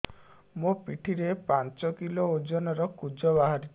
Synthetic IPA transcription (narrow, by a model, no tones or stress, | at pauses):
mopiʈʰiɾepant͡ʃɔkilood͡ʒɔnɔɾɔkud͡ʒɔβaɦaɾit̪